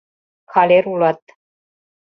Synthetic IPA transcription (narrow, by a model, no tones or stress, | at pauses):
kʰaleɾulat̪